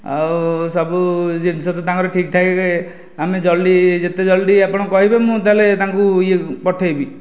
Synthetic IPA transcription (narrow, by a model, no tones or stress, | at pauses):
a̰wsɔbud͡ʒinsɔt̪ɔt̪ãŋkɔɾɔʈʰikʈ̪ʰakke | amed͡ʒɔlɖid͡ʒet̪ed͡ʒɔlɖiapɔɽ̃ɔkɔɦibemũt̪alet̪ãŋkuiepɔʈʰejbi